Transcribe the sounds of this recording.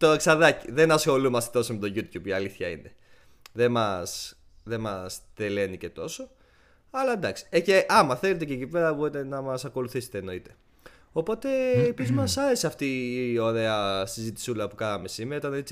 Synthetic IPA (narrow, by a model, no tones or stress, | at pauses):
t̪o̞eksɐðɐciðe̞nɐsxo̞lumɐst̪e̞t̪o̞somet̪o̞ʝut̪çupiɐliθçɐine̞ | ðe̞mɐs | ðemɐst̪e̞le̞nice̞t̪o̞so̞ | ɐlɐend̪ɐksi̥eceʔɐmɐθelet̪ececipe̞ɾɐboɾit̪e̞nɐmɐsɐko̞luθise̥t̪eno̞it̪e̞̥ | o̞po̞t̪e̞pizmɐsɐɾe̞siɐft̪io̞ɾe̞ɐsizit̪i̥sulɐpukɐnɐme̞simeɐit̪ɐnet͡si